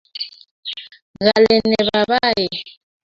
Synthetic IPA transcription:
ɣa˨lɛ˨nɛ˨βa˨βa˦jɛ˨

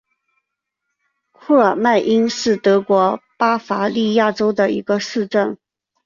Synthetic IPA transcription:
kʰu˥˩ə˞˨˩ma˥˩ɪʔi˥nʂɻ̩˥˩t̪ɤ˧˥kwɔ˧˥pa˥fa˧˥li˥˧ja˥˩ʈ͡ʂo˥ʊd̪ə˨ḭ˧˥ɡə˧ʂɻ̩˥˧ʈ͡ʂə˥˩n

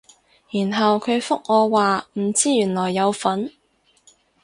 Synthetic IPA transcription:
jiː˨˩nɦɐ˨wkʰɵ˨˧ɥfʊ˥k̚ŋɔː˨˧waː˨m̩˨˩t͡siː˥jyː˨˩nlɔː˨˩jːɐ˨˧wfɐ˨˥n

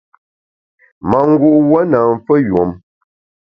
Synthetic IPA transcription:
ma˨ŋ̩˦ɡu˦ʔwə˦na˨m˨fə˦jo˨m

